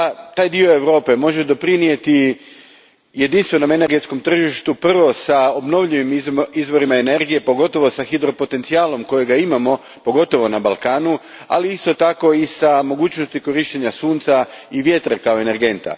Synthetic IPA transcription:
t̪aːjd̪io̞e̞ʋɾo̞ːpe̞mo̞ʒe̞d̪o̞pɾinije̞t̪i | je̞d̪inst̪ʋe̞no̞me̞ne̞ɾɡe̞t̪sko̞mt̪r̩ʒiʃt̪upr̩ʋo̞sao̞bno̞ʋʎiʋimizʋo̞ɾimaene̞ɾɡije̞po̞ɡo̞t̪o̞ʋo̞saxid̪ɾo̞po̞t̪e̞nt̪siaːlˠo̞mko̞jeɡaimamo̞ | po̞ɡo̞t̪o̞ʋo̞nabalˠkaːnu | a̰liist̪o̞t̪ako̞isamo̞ɡuːt͡ɕnost̪iko̞ɾiʃt̪eɲasuːnt̪saiʋje̞t̪ɾekao̞e̞ne̞ɾɡe̞nt̪a̰

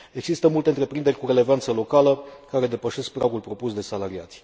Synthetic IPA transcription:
e̞ɡzist̪əmult̪e̞ɨnt̪ɾe̞pɾind̪e̞rʲkuɾe̞le̞vant̪səlo̞kaləkaɾe̞d̪e̞pəʃe̞sk̚pɾaɡulpɾo̞pusd̪e̞salaɾia̰t̪sʲ

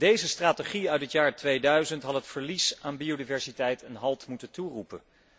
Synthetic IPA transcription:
d̥ejzəstraːtəχiœɥtətjaːɹtʋejdœɥzəntɦɑtɦətfəɹlisaːnbiodivɛɹsitɛjtʰɛnɦɑlˠtmutənturupə

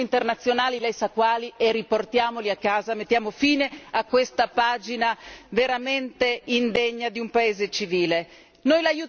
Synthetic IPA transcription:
int̪ernat̪sːjonaːlilɛjsakːwaːlieriport̪jaːmoliakːaːzamet̪ːjaːmofiːneakːwest̪apaːd͡ʒinaveɾament̪eind̪eɲːad̪iumpaeːzet͡ʃiviːle | nojlaju

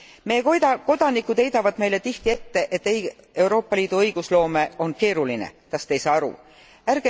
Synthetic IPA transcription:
mejeoɑko̞d̪̥ɑnikːˑud̪e̞jd̪ɑvɑd̪me̞jle̞t̪iht̪ie̞t̪ːe̞ʔet̪ːˑeje̞wɾo̞ːpˑːɑliːd̪̥uɤjɡ̥uslo̞ːme̞o̞nke̞ːɾulinḛt̪ɑst̪e̞jsɑːɑɾṵ | ærɡ̥e

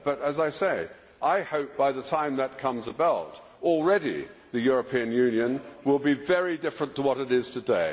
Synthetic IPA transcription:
b̥ʌɾɨzaɪseɪ | ʔaɪhoʊp̚b̥aɪðətʰãɪ̃mðət̚kʰʌ̃mzəbaʊt | l̩ˠɹɛɾḭðɨjʊɹɨpʰĩɨ̃njʉ̃njɨ̃nwɪlˠbivɛɹidɪfɹə̃ntʰəwʌɾɨɾɪz̥tʰɨdeɪ

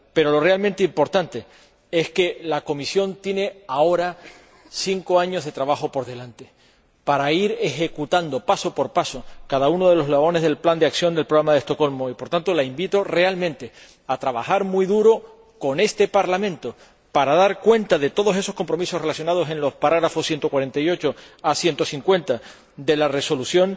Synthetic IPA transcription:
pe̞ɾo̞lo̞re̞almẽnt̪eimpo̞ɾt̪ant̪e̞ | e̞ske̞lako̞misjo̞nt̪je̞ne̞ao̞ɾa | siŋko̞aɲo̞zðe̞t̪ɾaβaxo̞po̞ɾðe̞lant̪e | paɾaiɾe̞xe̞kut̪and̪o̞paso̞po̞ɾpaso̞kaðauno̞ðe̞lo̞ɦlaβo̞ne̞zð̞e̞lpland̪eaksjo̞nd̪e̞lpɾoɣɾamaðest̪oko̞lmo̞ipo̞ɾt̪ant̪o̞laimbit̪o̞re̞almẽnt̪e̞ | at̪ɾaβaxaɾmuiðuɾo̞ | ko̞ne̞st̪e̞paɾlamẽ̞nt̪o | paɾaðaɾkwe̞nt̪aðe̞t̪o̞ð̞o̞se̞so̞sko̞mpɾo̞miso̞re̞lasjo̞nað̞o̞sẽ̞nlo̞spaɾaɣɾafo̞sje̞nt̪o̞kwaɾe̞nt̪ajo̞t͡ʃo̞asje̞nt̪o̞siŋkwe̞nt̪a | d̪e̞lare̞so̞lusjõ̞n

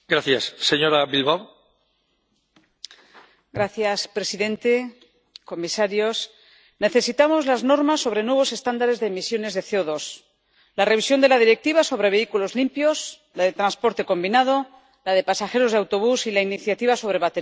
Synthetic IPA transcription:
ɡ̥ɾaθjasːeɲo̞ɾaβilβaw | ɡɾaθjaspɾe̞siðe̞nt̪e̞ | ko̞misaɾjo̞s | ne̞θe̞sit̪amo̞zlazno̞ɾmasːo̞β̞ɾe̞nwe̞β̞o̞se̞st̪and̪aɾe̞zðe̞ːmisjo̞ne̞zðeθeoðo̞s | lare̞β̞isjo̞nd̪e̞lað̞iɾe̞k̚t̪iβaso̞βɾe̞βe̞ikulo̞zlimpjo̞s | laðe̞t̪ɾanspo̞ɾt̪e̞ko̞mbinað̞o̞ | laðe̞pasaxe̞ɾo̞zð̞awt̪o̞β̞usilainiθjat̪iβaso̞β̞ɾe̞βat̪eɾ

